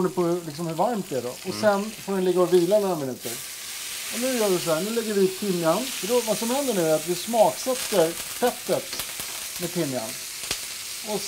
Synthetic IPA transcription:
ɳɪpʰɔlɪks̬ɔmhɵɾvaɾmt̪̚d̪ɛæɖɔ̰ɔsɛnfoːɖɛnlɪɡːaɔviːlanɔɾamɪnʉ̟ːt̪əɾ | ɔnʉ̟ːjœːɖɛsɔhæːnʉ̟ːlɛɡːəɾvɪp̪ʰɪmːjanfəɖɔvasɔmhɛnd̪əɳʉ̟ːæɾat̪vɪsmɑːksɛt̪ːəɾ | fɛt̪ːət̪ | mɛdp̪ʰɪmːja̰n | ɔs

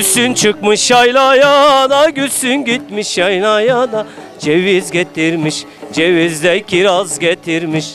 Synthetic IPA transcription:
ysynt͡ʃʰɯkmɯʃjajlˠajad̪aɟysynɟit̪̚miʃjajlˠajad̪a | d͡ʒevizɟet̪ʰiɾmiʃ | d͡ʒevizd̪ɛcʰʲiɾazɟʲet̪ʰiɾmiʃ

